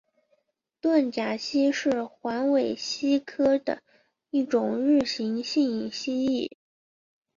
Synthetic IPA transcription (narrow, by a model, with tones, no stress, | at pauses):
t̪wa˥˩nt͡ɕja˨˩ɕi˥ʂɻ̩˥˩xwa˧˥nwe˨˩ɪɕi˥kʰɤ˥d̪ə̰˨˩ | i˥˩ʈ͡ʂʊ˨˩ŋɻ̩˥˩ɕi˧˥ŋɕi˥˩ŋi˨˩ŋɕi˥i˥˩